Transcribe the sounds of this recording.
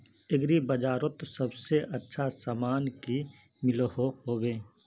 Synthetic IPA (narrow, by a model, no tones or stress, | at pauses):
ɪɡɾibəd͡ʒaːɾot̪sɐbseʔɐtːʃʰasaːmaːnki | mɪlhohoːwẽː